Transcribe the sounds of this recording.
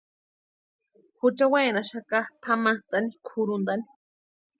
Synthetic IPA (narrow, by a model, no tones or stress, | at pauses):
hut͡ʃawajnaʃakapʰamat̪anikʰʊɾund̪ani̥